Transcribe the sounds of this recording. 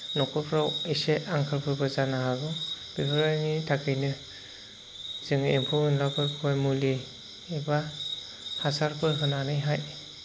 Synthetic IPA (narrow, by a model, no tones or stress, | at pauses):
nɔkʰɯpʰɾawiseaŋkʰɯlpʰɯɾbɯzanaɦaɡɯ | b̥ibʰɯɾajnitʰakʰɯjnɯ | z̥ɯŋimpʰɔɯnlakʰɯɾpʰajmuliː | ba | hasaɾpʰɯɾɦɯnanɯjɦaj